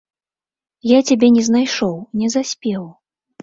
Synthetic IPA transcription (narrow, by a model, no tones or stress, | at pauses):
jat͡sʲabʲɛnʲɛznajʂɔwnʲɛzasʲpʲɛw